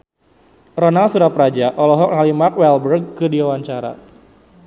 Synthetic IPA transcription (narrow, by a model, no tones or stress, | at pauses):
rɔnalsuɾapɾad͡ʒaʔɔlɔɦɔk̚nalimakwɛlbərɡ̚kɨdiwawaɲt͡ʃaɾa̰